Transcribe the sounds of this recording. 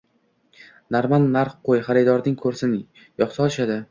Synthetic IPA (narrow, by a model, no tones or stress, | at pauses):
naɾmanːaɾqqojχaɾɪd̪ɒɾd̪ɪŋkʰɵɾsɪnɪ | jɒχsɒlˠɪʃad̪ɪ